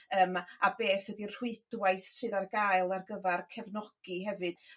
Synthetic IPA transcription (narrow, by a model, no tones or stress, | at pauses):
əːmabeːθwədir̥wɪɨd̥wajθsɨðarɡajɨlˠarɡəvɛrkʰɛvnɔɡ̥iɦɛvɨd̥